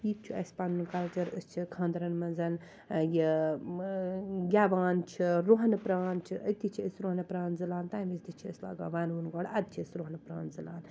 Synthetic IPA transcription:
iːt̪̚t͡ʃʰiɐ̰spanunkɐlt͡ʃɐɾɨst͡ʃʰikʰãːnd̪ɾɐnmɐnzɐn | ji | ɡʲaːʋaːnt͡ʃʰiɾoɦɐnɨpɾaːnt͡ʃʰiʔɐt̪it͡ʃʰiəsɾoɦnɨpɾaːnzɨlaːnt̪aːmisd̪it͡ʃʰiɐ̰sla̰ːɡa̰ːʋaːnunɡɔɽɐd̪̚t͡ʃʰiəsɾoɦnɨpɾa̰ːnzɨlaːn

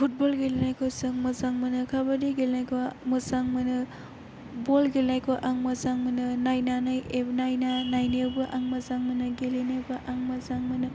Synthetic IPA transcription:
pʰut̚bolɡelenajkʰosaŋmɐsaŋmɐnɯkʰabadiɡelnajkʰomɯsaŋmɐnɯ | bolɡelnajkʰoʔaŋmazaŋmɐnɯnajnanajebnajnanajnebɯʔaŋmɐzaŋmɐnɯɡelenebɯʔaŋmazaŋmɐnɯ

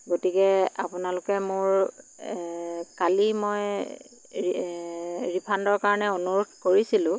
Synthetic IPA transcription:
ɡotikɛapʊnalʊkɛmʊɹ | kalimoj | ɹipʰandɔɹkaɹɔnɛonuɹodʱkoɹisilʊ̃

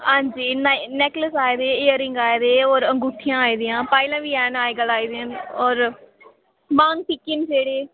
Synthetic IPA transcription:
ɦãːɲd͡ʒiːnnɛːkləsaːeːd̪eːɪːəɾɪŋɡaːeːd̪eːɔːɾəŋɡuːʈʰːijãːaːiːd̪ijãːpaːilãːʋiːɛːnaːeːɡəlaːiːd̪eãɔːɾ | mãːŋtɪkːɪnd͡ʒeːɽeː

